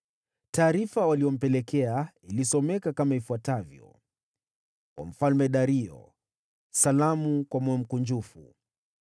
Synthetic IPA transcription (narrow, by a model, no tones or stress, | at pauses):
taːɾifawalijɔm̩pɛlɛkɛa | ilisɔmɛkakamaifuatavjɔ̰ | kwa̰m̩falmɛɗaɾiɔ̰ | salamukwamɔɛm̩kuɲd͡ʒufṵ